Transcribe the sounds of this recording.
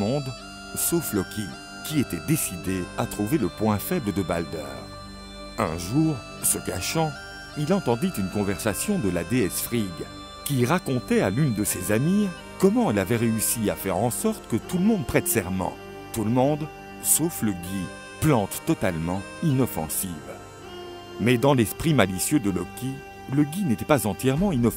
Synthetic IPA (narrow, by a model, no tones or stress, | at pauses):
ɔ̃d̪ | soflɔkʰʲi | kʲiet̪ɛd̪esid̪eat̪χuveləpwɛ̃fɛbləd̪əba̰ld̪ɛ̰ːʁ | ɛ̰̃ʒuːʁ | səka̰ʃɑ̃ | ilɑ̃t̪ɑ̃d̪it̪ynkɔ̃vɛʁsasjɔ̃d̪əlad̪eɛsfχiɡ | kʲiʁakɔ̃t̪ɛalynd̪əsezami | kɔmɑ̃ɛlavɛʁeysia̰fɛʁɑ̃sɔʁt̪ə̥kət̪uləmɔ̃d̪̚pχɛt̪sɛʁmɑ̰̃ | t̪uləmɔ̃d̪ | sofləɡʲi | plɑ̃t̪ːɔt̪almɑ̃ | inɔfɑ̰̃siv | mɛd̪ɑ̃lɛspχimalisjød̪əlɔkʲi | ləɡʲinet̪ɛpazɑ̃t̪jɛʁmɑ̃inɔ